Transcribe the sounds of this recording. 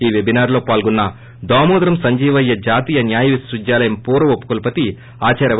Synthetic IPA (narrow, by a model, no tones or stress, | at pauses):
iːʋe̞binaːɾlo̞ːpaːlɡunːɐ | d̪aːmuːd̪ɾɐmsɐɲd͡ʒiːʋɐjːɐd͡ʒaːt̪iːjɐnjaːjɐʋisɾud͡ʒjaːlɐjɐmpuːɾɐʋopːu̥kɐlpɐt̪i | aːt͡ʃɐːɾɐ